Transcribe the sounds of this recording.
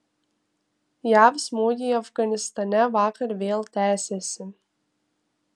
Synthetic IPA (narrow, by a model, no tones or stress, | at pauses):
jɑːvsmud̪ʲijɐfɡɐnʲɪst̪ɐnʲævɑːkɐɾʋʲeːlˠt̪ʲæːsʲesʲɪ